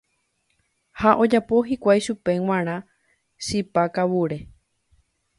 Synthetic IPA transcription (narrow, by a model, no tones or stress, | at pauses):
haʔo̞d͡ʒapo̞ɦikʷajʃupe̞w̃ãɾ̃ã | ʃipakawuɾe